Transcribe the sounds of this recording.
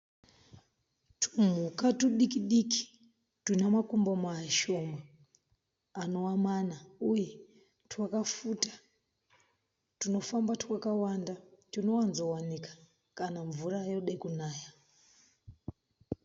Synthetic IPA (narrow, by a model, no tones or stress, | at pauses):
tʰum̤ukatuɗikiɗiki̥ | tunamakumbomaːʃoma | ano̞wamanauje | tʰwakafutḁ | tuno̞fambatwakawandatino̞wanzowanikḁ | kanaɱvurajoɗekunaːja